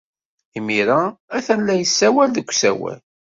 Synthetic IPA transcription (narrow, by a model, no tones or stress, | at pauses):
imiɾaæθænlæjəsːæwælðəkʷːsæ̰wæ̰l